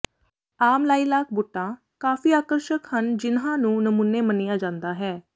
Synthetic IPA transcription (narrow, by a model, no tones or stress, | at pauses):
aːmlaːiːlaːk̚bʊʈːãː | kaːfiːaːkəɾʃəkhənd͡ʒɪnɦãːnũːnəmunːeːmənijaːd͡ʒãːnd̪aːɦɛː